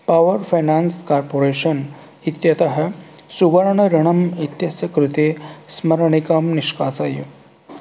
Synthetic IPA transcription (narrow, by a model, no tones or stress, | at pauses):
paʋɐɾfajnanskaɾpoɾeːɕɐn | it̪jɐt̪ɐɦɐsuɡɐɾɳɐɾiɳ̃ɐmit̪jɐsjɐkɾut̪esmɐɾɳikɐmniʂkaːsajṵ